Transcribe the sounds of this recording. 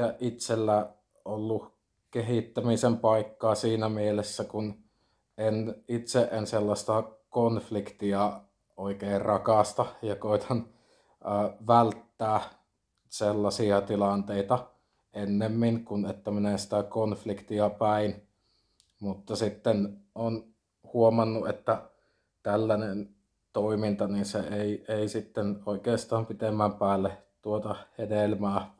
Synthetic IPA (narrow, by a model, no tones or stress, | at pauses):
æʔʔit̪selːæ | olːu | keɦit̪ːæmisempɑikːɑːsiːnæmielesːækun | enit̪seʔʔenselːɑst̪ɑkonflikt̪iɑ | oˑikeirrɑkɑˑst̪ɑjɑkoˑit̪ʰɑn | əːʋælt̪ːæː | selːɑsiɑt̪ilɑnt̪eit̪ɑ | ʔenːemːiŋkunet̪ːæminesi̥t̪ækonflikt̪iɑpæˑin | mut̪ːɑsit̪ːenon | huomɑnːuet̪ːæ | t̪ælːænen | t̪oimint̪ɑninseeˑieˑisit̪ːenoˑikeːst̪ɑːmpit̪emːæmpæːlːet̪uot̪ɑhedelmæː